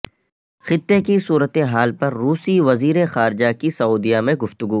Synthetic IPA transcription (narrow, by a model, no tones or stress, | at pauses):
xɪt̪ːekisuːɾət̪eɦaːlpɐɾːuːsiʋɐziːɾexaːɾd͡ʒakisɐuːd̪ijamẽɡʊft̪ʊɡu